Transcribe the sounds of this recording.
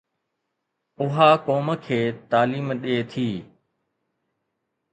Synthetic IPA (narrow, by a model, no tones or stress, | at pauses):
ʊɦaːkoːməkʰeːt̪aːliːmɗeːt̪ʰiː